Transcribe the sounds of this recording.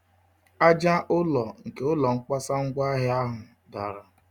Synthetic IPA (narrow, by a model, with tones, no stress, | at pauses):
a˦d͡ʒa˦ʔʊ˦lɔ˨ŋ̩˨ke˦ʊ˦lɔ˨ŋ̩˦k͡pa˦sa˦ŋ̩˦ɡʷa˦ɦɪ˦a˦ɦʊ˨ | da̰˨ɾa˨